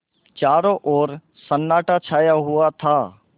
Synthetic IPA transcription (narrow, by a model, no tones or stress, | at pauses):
t͡ʃaːɾoʔɔːɾ | sənːaːʈat͡ʃʰaːjaɦʊat̪ʰaː